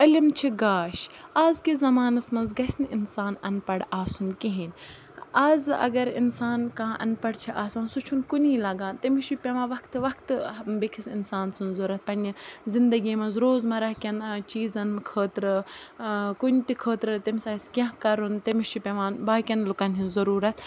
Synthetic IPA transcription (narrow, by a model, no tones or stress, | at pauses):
əlʲimt͡ʃʰiɡaːʃaːzkizɐmaːnɐsmɐnzɡɐsʲnɪnsaːnɐnpɐɽaːsunkiɦinʲ | aːzɐ̰ɡɐɾḭnsaːnkãːʔɐ̰npɐɽt͡ʃʰiʔaːsãːsut͡ʃʰunkunʲiːlɐɡaːnt̪ɐmiʃupʲeʋãːʋɐkt̪ʋɐkt̪bekʰisinsaːnsunzɐɾɐt̪̚ʰpɐnʲizind̪ɐɡiːmɐnzɾoːzmɐɾɐhkʲɐnt͡ʃiːzɐnmkʰəːt̪ɾɨ | kunʲt̪ikʰəːt̪ɾɨt̪imsaːiskʲɐ̃ɦkɐɾunt̪ɐmiʃʰipʲɐʋaːnbaːkʲɐnlukɐnɦinzɐɾuːɾɐt̪ʰ